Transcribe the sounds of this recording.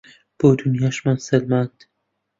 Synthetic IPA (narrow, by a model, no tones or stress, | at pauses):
b̥oːd̪unjaʃmonselmand̪̥